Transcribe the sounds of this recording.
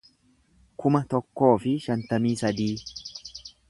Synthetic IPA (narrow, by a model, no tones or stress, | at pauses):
kʰʊmɐt̪ɔkːo̞ːfɪʃɐnt̪ɐmiːsɐd̪iː